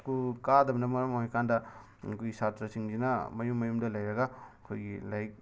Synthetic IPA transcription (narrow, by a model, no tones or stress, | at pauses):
kukadɐbɐnɐmɐɾɐmojkʰandɐ | kʰujisatɾɐsiŋd͡ʒinɐmɐjumːɐjumdɐlɐjɾɐɡakʰojɡilajk̚